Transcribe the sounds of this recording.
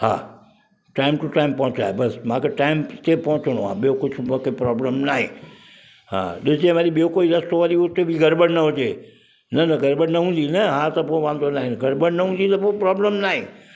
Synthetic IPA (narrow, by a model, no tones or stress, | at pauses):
hã̰ː | ʈaːɪmʈuʈaːɪmpɐ̃ɦʊ̃t͡ɕa̰ːɦebɐsmãːkʰeʈaːɪmt̪epɐ̃ɦʊt͡ɕəɽ̃oã̰ːɓijokʊd͡ʑʰʱmokʰepɾɔːbləmnaːɦḛ̃ː | ɦã̰ːɗɪsd͡ʒẽʋaːɾiɓijokoːiɾɐst̪oʋaːɾiʊt̪ebʱiɡʱɐɾbəɽnɐɦʊd͡ʑeː | nɐnɐɡʱɐɾbəɽnɐɦũːnd̪inɐɦãːt̪ɐpõʋãːnd̪onaːɦɪ̃nɡʱɐɾbəɽnɐɦũnd̪it̪ɐpopɾɔːbləmnaːɦẽː